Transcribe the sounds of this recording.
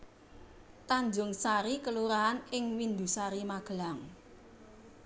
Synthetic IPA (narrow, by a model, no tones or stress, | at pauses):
t̪aɲd͡ʒʊŋsaɾikəluɾaɦanɪŋwind̪ṳsaɾimaɡ̥əlaŋ